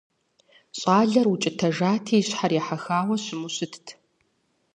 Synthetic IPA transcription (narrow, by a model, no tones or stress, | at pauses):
ɕʼaːɮɐrwʊt͡ʃʼɪtʰɐʒaːtʰiːɕħarjɛħaxaːwɐɕɪmuɕɪtʰtʰ